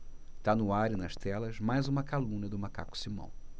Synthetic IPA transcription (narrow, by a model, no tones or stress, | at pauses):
t̪anʊaɾinɐʃt̪ɛlɐzmajzũmɐkalũnɐd̪ʊmaka̰kʊ̥simɐ̰̃w̃